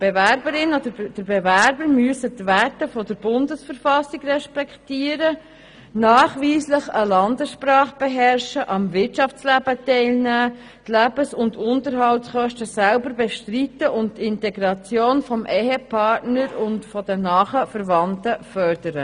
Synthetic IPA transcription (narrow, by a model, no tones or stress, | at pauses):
b̥evæɾbəɾɪnodəd̥əɾbɛvæɾbəɾmyəsətvætəfɔdəɾb̥ʊndəsfəɾfɑsiɡrɛʃpɛktiəɾə | nɑːχʋiːsləχəlɑndəsʃprɑːχb̥ɛɦɛɾʃəʔɑmvɪtt͡ʃɑfslæːb̥ətɛɪlnæː | tlæːbəsʊndʊntəɾɦɑltsχœʃtəsælbəɾbɛʃtritːəʔʊnttɪntɛɡɾɑt͡sjoːnfɔmʔɛhɛpʰɑɾtnəɾʊntfɔd̥ənɑːχəfəɾvɑntəfœrdəɾə